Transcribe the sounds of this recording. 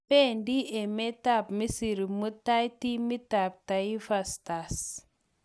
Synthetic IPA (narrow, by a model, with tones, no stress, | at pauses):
pe˦ndi˦e˨me˦ta˦˨pmi˦si˨ɾi˨mu˦ta˦jti˦mi˦ta˨p̚ta˨i˦fa˨sta˨s